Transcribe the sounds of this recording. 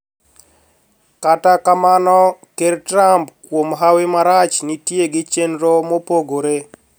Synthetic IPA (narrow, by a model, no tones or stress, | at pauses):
katakamanɔkertɾampkwomɦawɪmaɾat͡ʃnitjeɡɪt͡ʃenɾomopoɡoɾe